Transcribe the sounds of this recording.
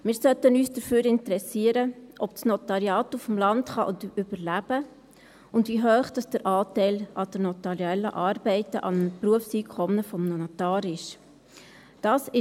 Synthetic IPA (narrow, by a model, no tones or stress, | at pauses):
mɪːɾsœtənyːsd̥əɾføːɾɪntəɾɛsiəɾəʔɔpsnɔt̪ɑɾjɑːtufm̩lɑntχɑʔʊndyb̥əɾlæb̥ə | ʊndʋiɦœːχd̥ɑsd̥əɾʔɑːtɛɪlɑd̥əɾnɔtɑɾjɛlːəʔɑːɾbɛɪtəʔɑ̰npruəfsikʰɔmnəfɔmnɔnatɑːɾɪʃ | d̥ɑːsɪ